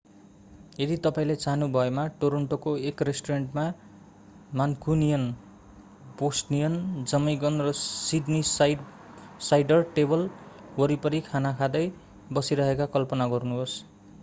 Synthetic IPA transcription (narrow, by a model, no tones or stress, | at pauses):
jed̪it̪ʌpaĩlet͡saɦnubʱʌemaʈoɾʌɳʈokoekresʈoreɳʈma | mankʰunijʌn | bosʈnijʌnd͡zʌmiɡʌnrʌsidnis | sajɖʌrʈebʌl | wʌɾipʌɾikʰanakʰad̪ʌj | bʌsiɾʌɦekakʌlpʌnaɡʌrnuɦos